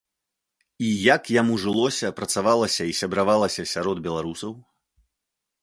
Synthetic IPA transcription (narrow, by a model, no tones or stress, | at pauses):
ijakjamuʐɨlˠɔsʲɐpɾɐt̪savalˠɐsʲɐisʲɐbɾavalˠɐsʲɐsʲaɾɔd̪bʲɛlˠaɾusɐw